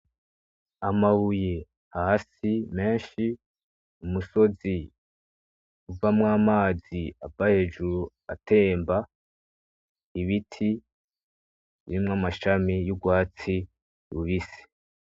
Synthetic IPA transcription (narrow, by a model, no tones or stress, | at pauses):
amaβuje̞ | hahasime̞ːnʃi | umuso̞zi | uvamŋaːmaːziabahe̞ːʒuɾu | a̰te̞ːmba | iβitʰi | βimŋamaʃamijuɡwaːt͡si | ɾuβise̥